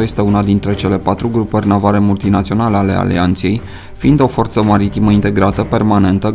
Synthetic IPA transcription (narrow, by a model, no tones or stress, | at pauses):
je̞st̪e̞unad̪int̪ɾe̞t͡ʃe̞le̞pat̪ɾuɡɾupərʲnavaɾe̞mult̪inat̪sio̞nale̞ale̞̰a̰lḭant̪se̞j | find̪o̞fo̞rt̪səmaɾit̪iməint̪e̞ɡɾat̪əpe̞rmane̞nt̪ə